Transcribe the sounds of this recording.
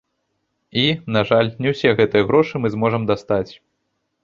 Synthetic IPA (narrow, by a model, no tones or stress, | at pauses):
inaʐalʲnʲɛwsʲɛɣɛt̪ɨjɐɣɾɔʂɨmɨzmɔʐɐmd̪ast̪at͡sʲ